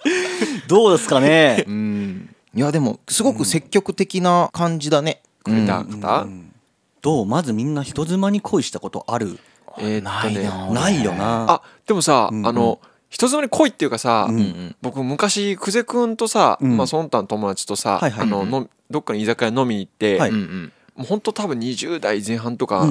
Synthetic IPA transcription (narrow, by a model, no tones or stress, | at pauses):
d̪o̞ːd̪esɨ̥kanẽ̞ | jad̪e̞mo̞̰sɨɡo̞kɯ̟se̞kʲːo̞kɯ̟t̪e̞kʲinakãɲ̟d͡ʑid̪ane̞ | kɯet̪a̰kḁt̪a̰ | d̪̥o̞ːmazɨmʲĩnːaçi̥t̪o̞zɨmaɲ̟ikʰo̞iɕi̥t̪ako̞t̪o̞̰ʔaɾɯ̟̰ | enaːone̞naijo̞̰naad̪̥e̞mo̞saano̞ | çi̥t̪o̞zɨmaɲ̟iko̞it̪ːeiɯ̟kasabo̞kɯ̟mmɯ̟kaɕikɯ̟ze̞kɯ̟̃nt̪o̞sammasonnt̪ːanot̪o̞mo̞d̪at͡ɕi̥t̪o̞sa̰aiaa̰no̞nomʲ | d̪o̞kːaɲʲiizakano̞mʲiit̪ːe̞a | mohont̪o̞t̪abɯ̟̃ɲ̟iʑɨːd̪aizẽ̞ɰ̃ɦãnt̪o̞ka̰